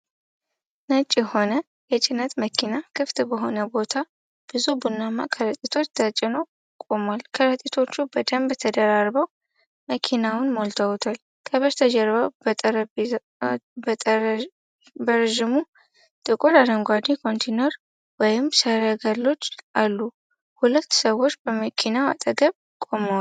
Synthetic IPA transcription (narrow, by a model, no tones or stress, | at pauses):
nət͡ʃʼːjɛho̞nə | jɛt͡ʃʼɪnːət̪məkʰinakʰɨft̪bəɦo̞nəbo̞t̪ʰa | b̥ɨzubunːamːa̰kʰəɾət̪ʼit̪ʰo̞t͡ʃːt̪ʰat͡ʃʼːɪno | kʼomalkʰəɾət̪ʼit̪ʰo̞t͡ʃːubəd̪əmbt̪ʰəd̪əɾaɾbəw | məkʰinawʊnmolt̪ʰəwt̪ʰal | kʰəβəɾt̪ʰəd͡ʒəɾβəwbət̪ʼəɾəb | bə | bəɾʒɪmu | t̪ʼɨkʼod̪ad̪əŋɡʷad̪ikʰo̞nt̪ʰenoɾ | wɔjɪmsəɾəɡəlːo̞t͡ʃːalːu | hulət̪ːsəwːot͡ʃːbəməkʰinaa̰t̪ʼəɡəβ | kʼo̞məwa